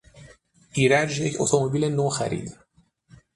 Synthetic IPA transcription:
iːɾæd͡ʒjecʰo̰t̪ʰomobiːlenoːxæɾḭːd̪

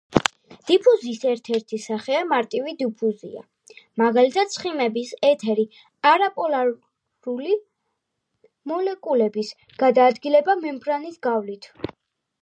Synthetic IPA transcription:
d̪̥ipʰuziːsɛɾt̪ʰɛɾt̪ʰisaχɛamaɾt̪ʼivid̪ipʰuzḭa̰ | maɡalit̪ʰat̪̚sχimɛbisɛt̪ʰɛɾi | aɾapʼɔla | ɾuli | mɔlɛkʼulɛbis | ɡ̥ad̪aːd̪ɡilɛbamɛmbɾanisɡavlit̪ʰ

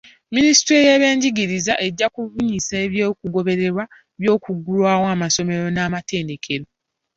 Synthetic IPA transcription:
minisi̥tɾejeβeːɲɟiɡiɾizaʔe̞ɟːakuvuɲisaeβjo̞ːkuɡo̞βe̞ɾe̞ɾwa | βjo̞ːkuɡulwaːwaːmaso̞me̞ɾo̞naːmateːnde̞kʰe̞ɾo̞

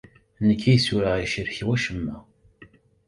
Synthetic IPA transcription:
nəkːijsuɾaiʃəɾçwæʃəmːæ

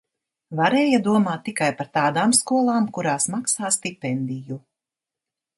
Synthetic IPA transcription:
vaɾɛːjad̪uɔmaːt̪ːikajpaɾt̪aːd̪aːmskuɔlˠaːmkuɾaːsmaksaːst̪ipɛnd̪iju

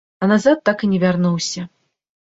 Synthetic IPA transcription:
ɐnazat̪ːakɨnʲɛvʲarnuwsʲɐ

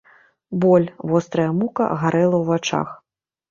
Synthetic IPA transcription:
bɔlʲvɔst̪ɾɐjɐmukɐ̰ɣaɾɛlˠɐwvat͡ʂa̰x

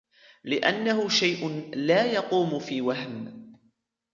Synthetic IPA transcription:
lɪʔa̰nːaɦʊʃajʔʊnlaːjɑquːmʊfiːwaɦm

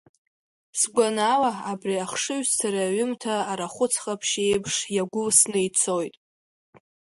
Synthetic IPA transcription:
sɡʷanalaabriaχʂɨɥstʰaɾaɥʊmtʰaːɾaχʷʊt͡sʰχapʰʃe̞jpʰʂjaɡʷʊlsnejt͡sʰojtʼ

